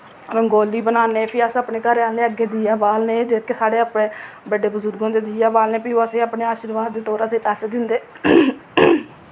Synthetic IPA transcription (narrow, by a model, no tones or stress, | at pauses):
ɾõɡoːliːbənaːneːpʰiəsaːpɳeːkəɾeaːlneːəɡeːd̪iːaːbaːlneːd͡ʒeːkeːsaːɽeːaːpɽẽːbəɖeːbəzʊɾɡõːd̪eːd̪iːjaːbaːlneːpioːəseːaːpɳeːaːʃiɾʋaːd̪ːeːt̪ɔːɾəsẽːpɛːseːd̪ɪnd̪eː